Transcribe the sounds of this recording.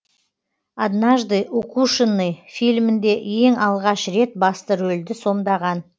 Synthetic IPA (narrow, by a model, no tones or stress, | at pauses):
ad̪naʒd̪ɨjʔokuʃənːɨjfilmɪnd̪e̞je̞ŋɑlˠʁɑʃɾe̞t̪̚bɑst̪əɾɵld̪ɪso̞md̪ɑʁɑn